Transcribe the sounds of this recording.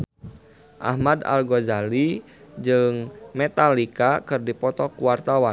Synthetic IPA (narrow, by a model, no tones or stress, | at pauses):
ʔa̰hmada̰lɡozali | d͡ʒɨŋmɛt̪alikakɨrdipɔt̪ɔkuwart̪awan